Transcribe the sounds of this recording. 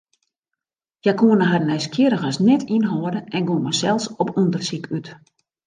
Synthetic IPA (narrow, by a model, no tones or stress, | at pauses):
jakuənəɦarnɛjskʰjɪɾəxɔsnɛtʰinɦɔːədəʔɛnɡoənmɛsɛlˠsɔpundərsikʰyt